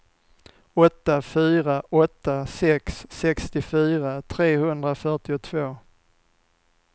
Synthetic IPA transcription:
ɔt̪ːafyːɾaʔɔt̪ːasɛksːɛkst̪ɪfyːɾat̪ʰɾeːhɵnd̪ɾafœʈɪʊt̪ʰvoː

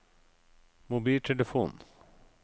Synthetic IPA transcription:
mʊbiːlʈ̪ʰɛləfṵːn

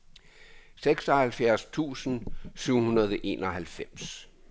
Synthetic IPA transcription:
seɡ̥sɒhælfjæɐ̰st͡sʰṵːsən̩syʊ̰hunɐð̞ˠɒʔe̝̰ːnɒ̽ɦælfem̰s

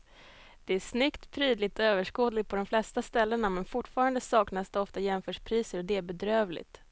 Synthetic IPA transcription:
d̪̥ɛæʂnʏkt̪pʰɾiːd̪lɪɡ̚t̪ɔøːvəʂkoːd̪lɪɡ̪̚pʰɔd̪ɔmflɛst̪ast̪ɛlːəɳamɛnfʊʈːfɑːɾand̪əsɑːknasd̪ɛɔft̪ajɛmfœːʂpʰɾiːsəɾɔd̪ɛæɾbɛd̪ɾøːvlɪ̰t̪

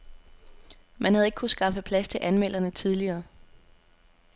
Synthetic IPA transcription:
mænɦhæðˠe̝ɡ̥kʰusɡ̥ɑ̈fəpʰlæst͡sʰe̝ʔænmel̰ɐnət͡sʰið̞ˠliɐː

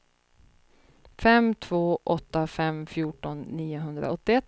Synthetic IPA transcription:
fɛmt̪ʰvoːʔɔt̪ːafɛmfjuːʈɔnːiːʊɦɵnd̪ɾa̰ɔt̪ːɪɛt̪ː

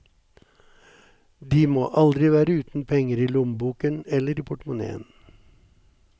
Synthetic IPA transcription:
d̪iːmoːʔɑld̪ɾɪʋæːɾəʉːt̪n̩pʰɛŋəɾiːlʊmbuːkənɛləɾiːpʰʊʈmʊnḛːə̰n

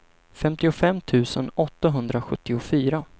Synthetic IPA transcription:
fɛmt̪ɪʊfɛmːt̪ʰʉ̟ːsənɔt̪ːaɦɵnd̪ɾaɧɵt̪ːɪʊfyːɾa

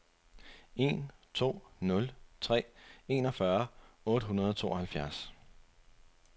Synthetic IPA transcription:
e̝nt͡sʰo̝̰ːnɔ̽lt͡sʰʁɛ̰ːe̝nɒ̽fɶɐɔ̽ːɾ̥əɦunɐð̞ˠɒ̽t͡sʰo̝̰ːɒhælfjæɐs

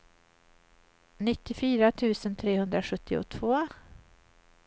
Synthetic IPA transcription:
nɪt̪ːɪfyːɾat̪ʰʉ̟ːsənt̪ʰɾeːhɵnd̪ɾaɧɵt̪ːɪʊ̰t̪ʰvoː

